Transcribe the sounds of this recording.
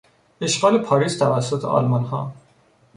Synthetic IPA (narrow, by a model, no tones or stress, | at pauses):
e̞ʃɡɒːle̞pʰɒːɾiːst̪ʰævæsːot̪ʰḛɒ̰lmɒnhɒ̰ː